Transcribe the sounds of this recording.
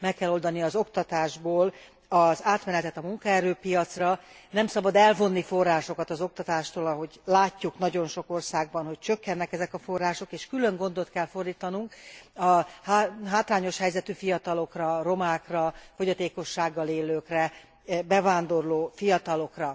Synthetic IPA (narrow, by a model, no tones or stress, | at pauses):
mɛkːɛlːo̞ld̪ɒniɒzo̞kt̪ɒt̪aːʒboːl | ɒzaːt̪mɛnɛt̪ɛt̪ɒmuŋkɒɛɾøːpijɒt̪srɒnɛmsɒbɒd̪ɛlvo̞nːifo̞rːaːʃo̞kɒt̪ɒzo̞k̚t̪ɒt̪aːʃt̪oːlɒɦo̞ɟlaːcːuknɒɟo̞nʃo̞ko̞rsaːɡ̚bɒnɦo̞c̚t͡ʃøkːɛnːɛkɛzɛkɒfo̞rːaːʃo̞keːʃkylø̞ŋɡo̞n̪d̪o̞t̪kɛlfo̞rd̪iːt̪ɒnuŋkɒhɦaːt̪raːɲo̞ʃhɛjzɛt̪yfijɒt̪ɒlo̞krɒro̞maːkrɒfo̞ɟɒt̪eːko̞ʃːaːɡːɒleːløːkrɛ | bɛvaːnd̪o̞rloːfijɒt̪ɒlo̞krɒ